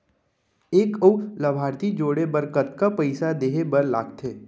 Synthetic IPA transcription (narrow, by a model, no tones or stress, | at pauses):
eːkəulɐbʱaːɾt̪id͡ʒoːɽebəɾkət̪kapəɪsad̪eːɦebɐɾla̰ːɡt̪ʰeː